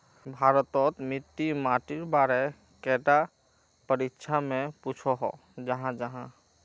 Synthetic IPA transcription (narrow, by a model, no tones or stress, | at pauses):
bʱaɾət̪ɔt̪mit̪ːimaʈiɾbaɾe | kɛʈa | pəɾikːʃʰamẽput͡ʃʰɔɦɔ̰ | d͡ʒəɦãd͡ʒəɦã